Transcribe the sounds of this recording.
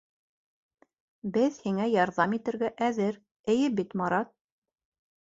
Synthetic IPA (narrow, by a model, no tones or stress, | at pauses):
bɘðhiŋæjɑɾðɑmit̪ɘ̆ɾɡæʔæðɘɾ | ɘ̆jɘbit̪mɑɾɑt̪̚